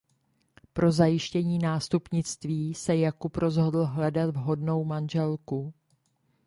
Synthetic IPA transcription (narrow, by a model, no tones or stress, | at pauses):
pɾo̞zajɪʃcɛɲiːnaːst̪upɲɪt͡st̪viːsɛjakupɾo̞zɦo̞dl̩ɦlɛdat̪vɦo̞dno̞wmanʒɛlku